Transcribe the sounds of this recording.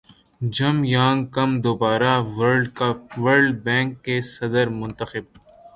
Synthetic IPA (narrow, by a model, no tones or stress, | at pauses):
d͡ʒɐmjãːŋɡkɐmd̪oːbaːɾaɖʋəɾɖbɛ̃ːŋkːesɐd̪əɾmʊ̃nt̪əxɪb̚